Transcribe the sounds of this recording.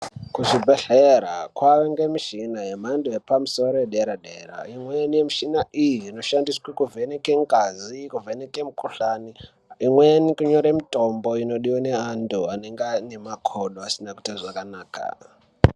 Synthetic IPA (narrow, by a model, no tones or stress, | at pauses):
kuʐibʱeɬeɾa̰kwaʋeŋɡemiʃinajemandujepamusoɾojeɗeɾaɗeːɾa̰imwenijemiʃinaʔijiːno̞ʃandiswekuvʱenekeŋɡazikuvenekemukuɬaːni | imwenikuɲoɾemitʼomboino̞ɗiwaneanduaneŋɡanemakʰoɗoasinaku̥taʐakanaːkʰa̰